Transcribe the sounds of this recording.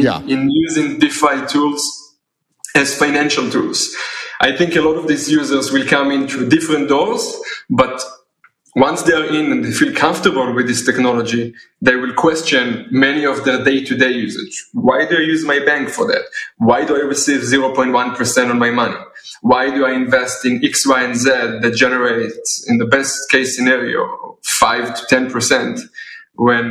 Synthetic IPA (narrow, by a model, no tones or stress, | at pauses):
ɪ̃njuzɪ̃ŋdifaɪtʰulz | ɛz̥faɪnæ̃nʃaltʰulz̥ʔajθɪ̃ŋkəlɔɾɔvd̪isjuzə˞zwɪlkʰãmɪ̃ntʰudɪfɾɛ̃nt̚d̥ɔlzbat | wãnsd̪eɹɪ̃nɛ̃ndefilkʰãɱftə˞bəl̩wɪðɪstɛknɔlɔd͡ʒi | ðeɪwɪlkʰwɛst͡ʃɨ̃nmɛniɔvðə˞deɪtʰudeɪjuzə̰d͡ʒwajduajjuzmajbæ̃ŋkfɔ˞ðæ̰twajduajɹisivziɹopɔ̃ɪ̃ntwãnpʰə˞sɛ̃ntɔ̃nmajmʌnḭ | wajduajɪ̃nvɛstɪ̃nɪkswaɛ̃nzɛd̪̚ðɛt̚d͡ʒɛnəɹeɪtsɪ̰̃nðəbɛstkeɪsɨnɛɹio̰faɪvtʰu̥tʰɛ̃npʰə˞sɛ̃ntwɛ̃n